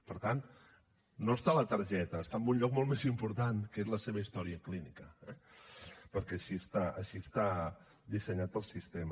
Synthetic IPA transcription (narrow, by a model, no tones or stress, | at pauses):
pəɾt̪an | nːoəst̪alət̪əɾʒɛt̪əːst̪aəmbunʎɔk̚molˠmezimpuɾt̪ankəezləseβ̞əist̪ɔɾiəklinikəɛ | pəɾkɛəʃiəst̪aəʃiəst̪a | d̪isəɲat̪əlˠsist̪em